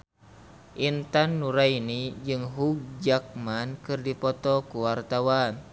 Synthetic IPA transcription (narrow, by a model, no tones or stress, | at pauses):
ʔint̪anːuɾainid͡ʒɨŋɦuk̚d͡ʒak̚mankɨrdipɔt̪ɔkuwart̪awan